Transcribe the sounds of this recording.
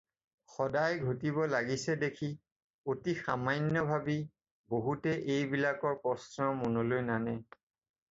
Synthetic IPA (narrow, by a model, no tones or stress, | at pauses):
xɔdajɡʱotibɔlaɡisɛdekʰi | otixamajnːɔbʱabi | boɦutɛʔejbilakɔɹpɔsnɔmɔnɔlojnanɛ